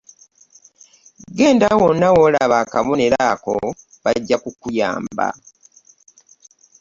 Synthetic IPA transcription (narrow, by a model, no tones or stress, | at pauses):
ɡe̞ːndawonːawo̞ːlaβaːkaβoneɾako̞ | βaɟːakukuja̰ːmba̰